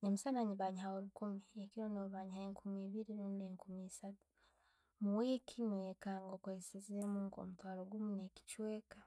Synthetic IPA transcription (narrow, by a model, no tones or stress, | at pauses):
ɲemusanaɲiβaɲihaoɾukumiekiɾonoβaːɲhaeŋkʰumiːβiɾinoːndeŋkumiːsatu̥ | muwekʰiŋweːkaŋɡokoesizemuːŋko̰mutwaːɾoɡumuneki̥t͡ʃweːkḁ